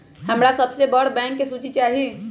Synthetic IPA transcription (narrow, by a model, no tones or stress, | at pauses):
həmɾasəbsebəɽ̤bɛ̃ːŋkːesuːt͡ʃit͡ʃaːɦi